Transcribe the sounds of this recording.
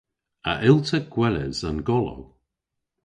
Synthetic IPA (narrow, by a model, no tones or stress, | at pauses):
a̰ʔɪlˠtʰəɡ̥wɛlɪ̰zanɡɔlo̰w